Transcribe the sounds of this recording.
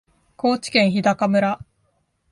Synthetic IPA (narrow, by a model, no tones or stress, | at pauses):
ko̞ːt͡ɕi̥kẽ̞ɰ̃çid̪akamɯ̟ɾa